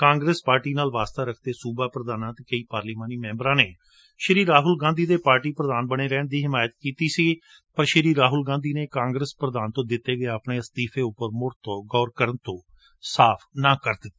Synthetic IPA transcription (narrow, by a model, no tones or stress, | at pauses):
kãːŋɡɾeːspaːɾʈiːnaːlʋaːst̪aːɾəkʰd̪eːsuːbaːpɾəd̪aːnãːt̪eːkəiːpaːɾliːmaːniːmɛ̃ːmbəɾãːneː | ʃəɾiːɾaːɦʊlɡãːnd̪iːd̪eːpaːɾʈiːpɾəd̪aːnbəɽeːɾɛːɳd̪iːɦɪmaːjət̪̚kiːt̪iːsiː | pəɾʃəɾiːɾaːɦʊlɡãːnd̪iːneːkãːŋɡɾəspɾəd̪aːnt̪õːd̪ɪt̪ːeːɡəeəpɳeːəst̪iːpʰeːʊpːəɾmʊɾt̪oːɡɔːɾkəɾənt̪õː | saːpʰnãːkəɾd̪ɪt̪ː